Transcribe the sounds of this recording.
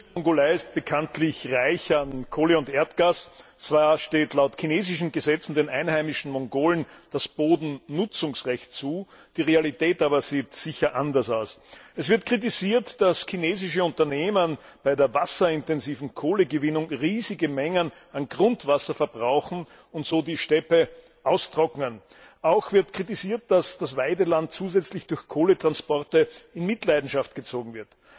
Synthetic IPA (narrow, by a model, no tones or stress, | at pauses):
mɔŋɡolaɪɪst̚b̥əkʰantlɪçʁaɪçankʰoːləʊntʔeːɐtɡ̥aːst͡sv̥aːɐʃteːtlaʊtkʰineːzɪʃn̩ɡəzɛt͡sn̩deːnʔæɪnhæɪmɪʃn̩mɔŋɡoːlən̩d̥asb̥oːdn̩nʊt͡sʊŋsʁɛçtt͡suː | d̥iːʁealitɛːtaːbɐz̥iːtsɪçɐʔandɐsaʊsɛsv̥ɪɐtkʁ̥it̬iziːɐtd̥askʰineːzɪʃ̬əʊ̃ntɐneːmən | b̥aɪdeːɐvasɐɪntɛnziːvn̩kʰoːləɡəvɪnʊŋʁiːzɪɡəmɛŋən | anɡʁʊntv̥asɐfɛɐbʁaʊxn̩ | ʊntz̥oːdiːʃtɛpə | ʔaʊstʁ̥ɔkŋən | ʔaʊxv̥ɪɐtkʁ̥it̬iziːɐt̚d̥asd̥asvaɪdəlant̚t͡suːzɛt͡slɪçd̥ʊɐçkʰoːlətʁ̥anspɔɐtəɪnmɪtlaɪdn̩ʃaftɡ̥ət͡soːɡŋ̩vɪɐt